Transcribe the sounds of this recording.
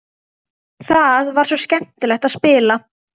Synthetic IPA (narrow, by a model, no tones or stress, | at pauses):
θaðvaɾ̥sɔscɛm̥t̪ɪlɛxt̪aspɪːla